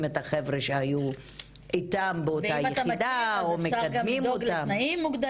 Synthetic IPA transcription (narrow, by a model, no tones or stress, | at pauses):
met̪aχevʁeʃehaju | itambeotajeχid̪aomekadmimot̪amnimːuɡd̪